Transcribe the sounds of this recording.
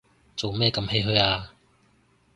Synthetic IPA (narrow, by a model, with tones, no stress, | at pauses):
t͡so˨wmɛː˥˧kɐ˧mhe˧˥jɦɵ˧jaː˧